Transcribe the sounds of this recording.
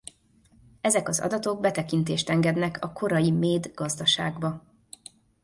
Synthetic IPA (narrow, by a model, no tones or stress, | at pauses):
ɛzɛkɒzɒ̰d̪ɒt̪o̞ɡ̚bɛt̪ɛkint̪eːʃt̪ɛŋɡɛd̪nɛkʰɒkʰo̞ɾɒjimeːd̪ɡ̥ɒzd̪ɒʃa̰ːɡbɒ